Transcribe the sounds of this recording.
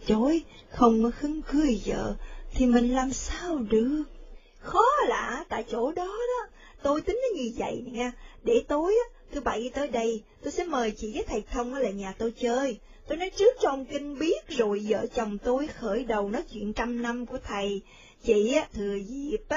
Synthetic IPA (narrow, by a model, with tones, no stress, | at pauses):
t͡ɕo˧˩j | xə˧wŋ͡mkɔ˨˦xɨ˨˦ŋkɨ˧əjzə̰ː˧˨t̪ʰi˨˩mï˨˩ŋ̟laː˨˩msaː˧wɗɨ˨˩ək̚ | xɔ˨˦la̰ː˧˩˨t̪a̰ː˧˨jt͡ɕo˧˩ɗɔ˨˦ɗɔ˨˦ | t̪o˧jt̪ï˨˦ŋ̟na˨˦ɲɨ˧və̰˧˨jna˨˩jʔaː˧ɗe˧˩t̪o˧jʔaː˨˦t̪ʰɨ˨˦ɓa̰˧˨ji˧˦t̪əː˨˦jɗə˧jt̪o˧jsɛ̰˧˥məː˨˩jt͡ɕḭ˧˨zəː˨˦jt̪ʰə˨˩jt̪ʰə˧wŋ͡mʔaː˨˦laː˨˩ɲaː˨˩t̪o˧jt͡ɕəː˧j | t̪o˧jnɔ˨˦jt͡ɕɨ˦˥ək̚t͡ɕɔ˧wŋ͡mkï˧ŋ̟ɓi˦˥ət̚zo˨˩jzə̰ː˧˨t͡ɕə˨˩wŋ͡mt̪o˧jxəː˧˩jɗə˨˩wnɔ˨˦jt͡ɕwḭ˧˨ənt͡ɕa˧mna˧mku˧˩ət̪ʰə˨˩j | t͡ɕḭ˧˨aː˨˦t̪ʰɨ˨˩əzi˨˩əp̚ː